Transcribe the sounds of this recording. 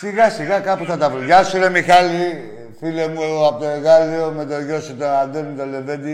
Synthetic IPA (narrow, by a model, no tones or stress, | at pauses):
siɣɐsiɣɐkɐpuθɐt̪ɐvoʝɐsiɾemixɐli | filemuoɐpot̪oeɣaliome̞t̪oʝoset̪oand̪enmet̪olevend̪i